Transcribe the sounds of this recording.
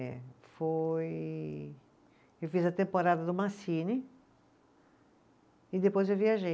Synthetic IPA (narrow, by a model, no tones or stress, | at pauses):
foj | ewfizɐt̪ẽmpoɾad̪ɐd̪ʊmasini | id̪epojzewviaʒe